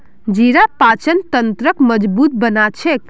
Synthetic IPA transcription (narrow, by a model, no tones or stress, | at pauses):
d͡ʒiɾapat͡ʃənt̪ənt̪ɾəkməd͡ʒbut̪̚bənat͡ʃʰek